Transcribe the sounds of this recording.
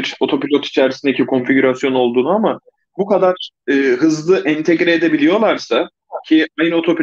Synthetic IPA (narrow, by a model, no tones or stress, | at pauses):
ɾo̞t̪ʰo̞pilʲo̞t̪ʰi̥t͡ʃʰɛɾisind̪ecikʰo̞nfiɟuɾasjo̞no̞lˠd̪uːnuama | bukad̪aɾ̥ | ɯːɦɯzlˠɯʔɛnt̪ʰeɟɾɛed̪e̞bilʲijo̞lˠaɾsa | cʰiajnɯo̞t̪ʰo̞pi